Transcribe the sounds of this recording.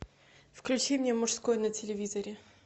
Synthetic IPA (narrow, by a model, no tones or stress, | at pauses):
fklʲʉt͡ɕimʲnʲemʊʂskojnətʲɪlʲɪvʲizəɾʲɪ